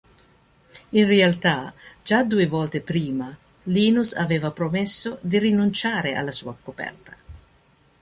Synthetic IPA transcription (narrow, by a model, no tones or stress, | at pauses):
inrealt̪ad͡ʒad̪uːevɔːlt̪epɾiːma | liːnusa̰veːvapɾomɛsːod̪irinunt͡ʃaːɾeʔa̰lːasuːakopɛ̰rt̪ḁ